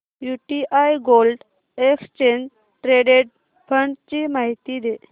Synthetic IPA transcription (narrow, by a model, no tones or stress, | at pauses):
juʈiʔajɡolɖ | ekst͡ɕeɲd͡ʑ | ʈɾeɖeʈ̚ | fʰəɳʈt͡ɕimaɦit̪id̪e